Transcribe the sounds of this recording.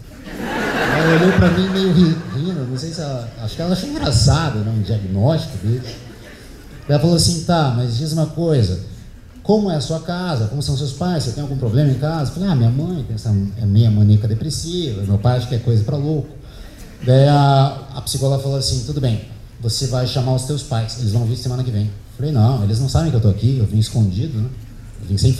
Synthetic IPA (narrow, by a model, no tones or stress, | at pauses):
ɛllɐɐoʎowpɾɐmĩmejʊhihĩd̪ɐnɐ̃w̃sejsɪɛlɐaʃʊ̥kɪɛlɐaʃeĩd̪ɾasad̪ɐnɛũd͡ʒiaɡnɔst͡ʃi̥kʊd̪esʊ̥ | d̪ailɐfaloasĩt̪amɐzd͡ʒezũmɐkojzɐ | kõmʊɛɐsuɐkazɐkõmʊsɐ̃w̃sewspajsewt̪ẽj̃awɡũpɾoblẽmɐẽj̃kazɐfalamĩɲɐmɐ̃j̃pẽsɐ̃ɛmĩɲɐmɐ̃nekɐd̪epɾesivɐmewpajd͡ʒɪkɪɛkojzɐpɾɐlokʊ̥ | d̪aiɐɐpi̥sikolafaloasĩt̪ud̪ʊbẽj̃ | vosevajʃamaɾʊst̪ewspajselɪzvɐ̃viɾsemɐ̃nɐkɪvẽj̃efalejnɐ̃w̃elɪznɐ̃w̃sabẽkɪewt̪oakiewt̪õɪskõd͡ʒid̪ʊnɛ̃ | ewvĩɲʊsẽ